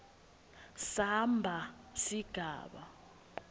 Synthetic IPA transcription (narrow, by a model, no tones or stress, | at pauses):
sambʱasiɡ̥ʱa̰ːɓa̰